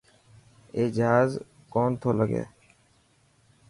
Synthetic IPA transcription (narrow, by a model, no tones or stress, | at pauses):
eːd͡ʒɦaːz | koːnt̪ʰoːləɡḛː